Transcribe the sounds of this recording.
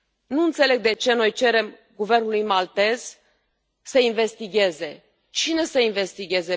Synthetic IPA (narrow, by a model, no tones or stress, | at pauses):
nuɨnt̪se̞le̞ɡ̚d̪e̞t͡ʃe̞no̞jt͡ʃe̞ɾe̞m | ɡuve̞rnulujmalt̪e̞z̥ | səinve̞st̪iɡʲe̞ze̞ | t͡ʃine̞səinve̞st̪iɡʲe̞ze̞